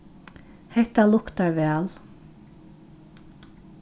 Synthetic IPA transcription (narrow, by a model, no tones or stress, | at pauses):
hɛht̪alʊkt̪aɹʋæːl